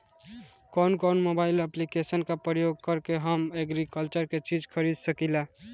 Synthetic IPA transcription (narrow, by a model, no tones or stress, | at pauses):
kɔnkɔnmobaɪləplikesənkapɾəjoɡ̚kəɾkeɦəmeɡɾikəlt͡ʃəɾket͡ʃid͡ʒkʰəɾid̪səkila